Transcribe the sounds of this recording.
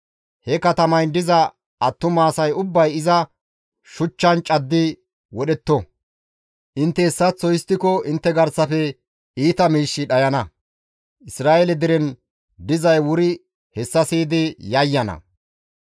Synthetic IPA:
hɛkɐt̪ɐmɐjd̪ɪzɐ | ɐt̪ːʊmaːsɐjʊbːɐjɪzɐ | ʃʊt͡ʃːɐnt͡ʃʼɐd̪ːɪ | wɔɗɛt̪ːɔ | ʔɪnt̪ːɛɛsːɐt͡sːɔjɪst̪ːɪkɔʔɪnt̪ːɛɡɐɾsɐfɛ | iːt̪ɐmiːʃːɪɗɐjɐnɐ | ʔɪsɾaːʔelɛd̪ɪɾɛn | d̪ɪzɐjwʊɾɪ | hɛsːɐsiːd̪ɪjɐjːɐnɐ̰

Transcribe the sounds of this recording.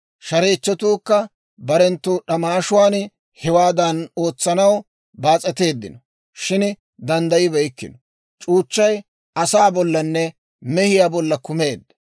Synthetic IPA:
ʃɐɾeːt͡ʃːɔt̪uːkːɐ | bɐɾɛnt̪ːʊɗɐmaːʃʊwaːn | hɛwaːd̪ɐno̞ːt͡sːɐnɐw | baːt͡sʼɛt̪e̞ːd̪ːɪ̰nɔ | ʃɪn | d̪ɐnd̪ɐjɪbɛjɪkːɪ̰nɔ | t͡ʃʼuːt͡ʃːɐj | ɐsaːbɔlːɐnːɛ | mɛhɪjaːbɔlːɐkʊme̞ːd̪ːɐ̥

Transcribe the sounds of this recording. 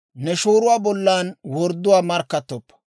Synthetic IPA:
nɛʃuːɾʊwaːbɔlːaːnwɔɾd̪ːʊwaːmɐɾkːɐt̪ːɔpːɐ̥

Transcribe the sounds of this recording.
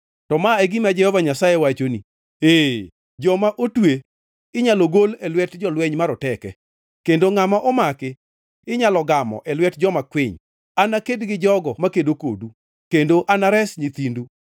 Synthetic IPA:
tɔmaɛɡimad͡ʒɛhɔvaɲasajewat͡ʃoni | eː | d͡ʒɔmaʔotwe | ɪɲaloɡolɛlwɛtd͡ʒɔlwɛɲmaɾɔtɛkɛ̰ | kendoŋamaʔomakɪ | ɪɲalɔɡamɔ̰ʔɛlwɛtd͡ʒɔmakwɪɲ | anakedɡɪd͡ʒɔɡɔmakedoko̰du | kendoʔanaɾɛsɲit̪indu

